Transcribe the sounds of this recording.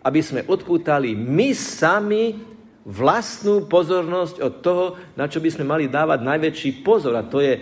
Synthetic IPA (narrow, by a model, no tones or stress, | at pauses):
ʔabizmɛʔɔt̪puːt̪alimisami | ʋlast̪nuːpɔzɔɾnɔscɔt̪ːɔɦɔnat͡ʃɔbizmɛmalid̪aːʋaɟnajʋɛt͡ʃiːpɔzɔɾat̪ɔjɛ